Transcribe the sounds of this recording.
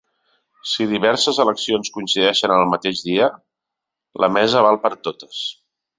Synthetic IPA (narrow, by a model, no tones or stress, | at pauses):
siðiβ̞ɛɾsəzələksionskunsiðɛʃənəlˠmət̪eʒðiə | lʔə̰mɛzəβ̞alˠpəɾt̪ot̪ə̥s